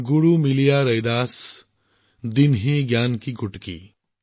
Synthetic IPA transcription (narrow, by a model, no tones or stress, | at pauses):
ɡʊɽumɪlijaɾɐjd̪aːs | d̪ɪnɦiɡjaːnkiɡʊʈkḭː